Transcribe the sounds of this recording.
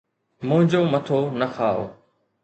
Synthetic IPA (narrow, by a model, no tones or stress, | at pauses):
mʊ̃ɦɪ̃ɲd͡ʑoːmɐt̪ʰonɐxaːo̰ː